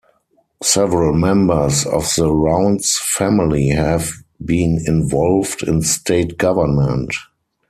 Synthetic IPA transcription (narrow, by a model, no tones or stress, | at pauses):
sɛvəɹəlmɛ̃mbə˞sɔ̰fðəɹãʊ̃nsfæmɪlihɛvbĩːnɪ̃nvɔlvdɪ̰̃nstʰeɪtɡ̥avə˞nmə̃nt